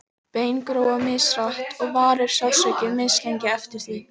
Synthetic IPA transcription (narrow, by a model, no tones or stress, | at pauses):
peːjnkɾoːwamɪːsraht̪ɔɣvaːɾɪɾ̥sjawsœɥcɪmɪːscɛɲcɪɛft̪ɪɾ̥θi